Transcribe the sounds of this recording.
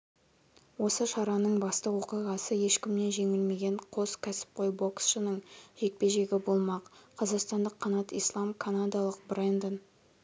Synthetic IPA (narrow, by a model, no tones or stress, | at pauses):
wo̞səʃɑɾɑnəɴbɑst̪əwo̞qijʁɑsəje̞ʃkʲɪmne̞nʒe̞ŋɪlme̞ɡʲe̞ɴqʰo̞skʲʰæsɪ̥p̚qʰo̞jbo̞ksʃənəɴʒ̥e̞k̚pe̞ʒe̞ɡʲɪbo̞lˠmɑqqʰːɑzɑqst̪ɑnd̪əqʰːɑnɑt̪ijslˠɑmkʰanad̪ɑlˠəq̚brend̪ən